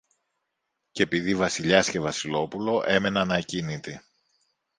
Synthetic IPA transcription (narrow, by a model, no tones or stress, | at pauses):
ce̞piðivɐsiʎɐsce̞vɐsilo̞pulo̞ʔe̞me̞nɐnɐcinit̪i